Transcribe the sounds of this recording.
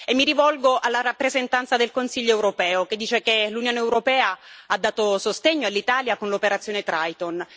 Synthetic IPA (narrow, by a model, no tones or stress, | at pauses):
emːiɾivɔlɡoʔalːaɾapːɾezent̪ant̪sad̪elkonsiʎːoewɾopɛːok̟ed̪ːiːt͡ʃekelunjoːneɛwɾopɛːaad̪ːaːt̪osost̪eɲːoalːit̪aːljakonlopeɾat̪sːjoːnet̪ɾajt̪on